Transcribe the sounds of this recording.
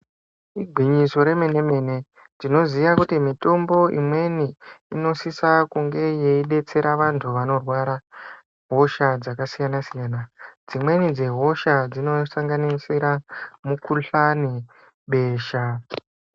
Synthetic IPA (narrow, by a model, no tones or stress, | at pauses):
iɡʱiɲiso̞ɾe̞me̞ne̞me̞ne̞ | d͡zino̞ziʋakutimito̞mbo̞ḭmwe̞niːno̞sisakuŋɡe̞je̞iɗe̞t͡se̞ɾaʋantʰuʋano̞rwaɾa | ɦo̞ʃad͡zakasijanasijaːnad͡zimwe̞nid͡ze̞ɦo̞ʃad͡zino̞saŋɡanisiɾamukuɬani | ɓe̞ːʃa